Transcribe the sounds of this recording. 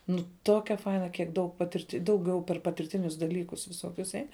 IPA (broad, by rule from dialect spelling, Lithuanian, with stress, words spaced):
nʊ ˈtoːkʲɛ ˈfɐɪnɐ kʲiɛk dɐʊk pɐˈtʲɪrʲtʲ dɐʊˈɡʲɛʊ pʲɛr pɐtʲɪrʲˈtʲɪnʲʊs dɐˈlʲiːkʊs ʋʲɪˈsoːkʲʊs ˈɛɪn